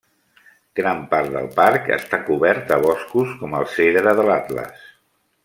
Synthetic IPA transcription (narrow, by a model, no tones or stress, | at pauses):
ɡ̥ɾampaɾt̪̚d̪ə̰lˠpaɾkə̰st̪akuβɛɾt̪əβ̞ɔskuskɔməlˠseðɾəðəlat̪lə̰s